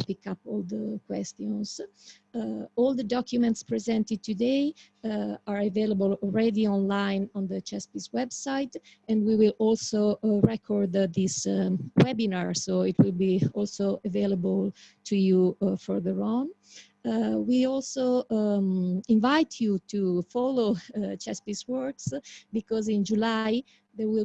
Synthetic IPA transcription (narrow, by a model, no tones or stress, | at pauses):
pikapɔld̪əkwɛst̪jɔ̃ns | ɔld̪əd̪ɔkʰjumɛ̃nt̪spɹɛzɛ̃nt̪ɪd̪̚t̪ʰudej | aɹaveləbəlɔlɹɛd̪iɔ̃nlãjnɔ̃nd̪ət͡ʃɛspiswɛbsajt̪ | ɛ̃ndwiwilɔlsoɹɛkʰɔɹd̪d̪iswɛbinaɹsoitwilbiɔlsoʔəveləbəlt̪ʰujufɔɹðəɹɔ̃n | wiɔlso | ĩɱvajt̪ʰjut̪ʰufɔlot͡ʃɛspiswɔɹksbikɔzĩnd͡ʒulaj | ðɛɹwil